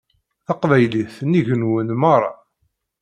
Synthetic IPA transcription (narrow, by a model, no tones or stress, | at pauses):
θɑqvæjliθniʝənwənmɑɾˤːɑ̰